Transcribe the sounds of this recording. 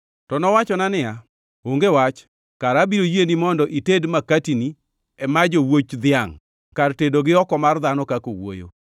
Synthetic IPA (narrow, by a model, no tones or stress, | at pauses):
tɔnɔwat͡ʃɔnanɪja | oŋɡewat͡ʃ | kaɾabiɾojenimɔndɔʔitedmakatini | ɛmad͡ʒowot͡ʃd̪ɪjaŋ | kartedoɡɪɔkɔmard̪anɔkako̰wo̰jo̰